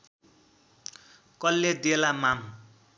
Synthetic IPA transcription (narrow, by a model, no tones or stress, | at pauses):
kʌlːed̪elamam